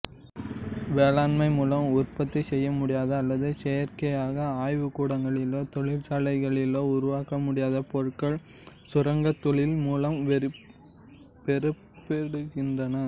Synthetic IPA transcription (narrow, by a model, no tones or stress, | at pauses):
ʋeːlaːnmɐɪmuːlɐmʊrpɐt̪ːɐɪsɛjːɐmʊɽɪjaːðɐːlːɐðɯseːɐɾkɐjaːɣɐaːjʋɯkuːɽɐŋɡɐɭɪloːt̪ɔɭɪɾsaːlɐɪɣɐɭɪloːʊɾʊʋaːkɐmʊɽɪjaːðɐpɔɻɯkɐɭ | sʊɾɐŋɡɐt̪ːɔɭɪlmuːlɐm | pɛɾɯ | pːɛɽɯɣɪndrɐnɐ